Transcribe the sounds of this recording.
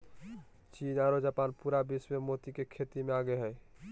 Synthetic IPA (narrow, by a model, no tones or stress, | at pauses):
t͡ʃiːnaɾod͡ʒaːpaːnpuɾabismemot̪ikekʰet̪imeaːɡeɦɛː